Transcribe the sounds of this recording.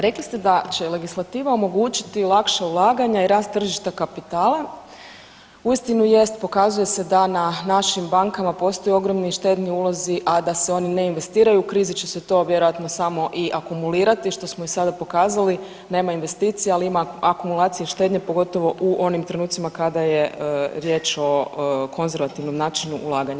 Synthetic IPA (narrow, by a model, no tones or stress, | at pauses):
ɾe̞klist̪e̞d̪at͡ɕe̞le̞ɡislˠat̪iːʋao̞mo̞ɡuːt͡ɕi̥t̪ilˠakʃaulˠaːɡaɲaiɾaːst̪t̪ːr̩ʒiʃt̪akapit̪aːlˠa | uist̪inuje̞st̪po̞kazuje̞se̞d̪ananaʃimbaŋkamapo̞ːst̪o̞jeo̞ɡɾo̞mniʃt̪e̞d̪niuːlˠo̞ziʔad̪aseo̞nine̞inʋe̞st̪iːɾajuːkɾiːzit͡ɕeset̪o̞ːʋje̞ɾojat̪no̞samo̞ʔiʔakumuliːɾat̪iʃt̪o̞smoisad̪apo̞kaːzali | ne̞ːmainʋe̞st̪iːt̪sijealiimaakumulˠaːt̪sijeʃt̪e̞d̪ɲepo̞ɡo̞t̪o̞ʋo̞ʔuʔo̞nimt̪ɾe̞nuːt̪simakad̪aje̞ɾje̞ːt͡ʃo̞kʰo̞nze̞ɾʋat̪iʋno̞mnaːt͡ʃinuʔulˠaːɡaɲ